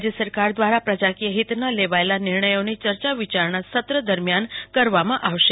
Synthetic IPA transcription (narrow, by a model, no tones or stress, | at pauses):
d͡ʒjəsəɾkaɾd̪ʋaɾapɾəd͡ʒakijəɦit̪naleʋaelanɪɾɳəjonit͡ʃəɾt͡ʃaʋit͡ʃaɾɳasət̪ɾəd̪əɾmjankəɾʋamãʔaʋʃe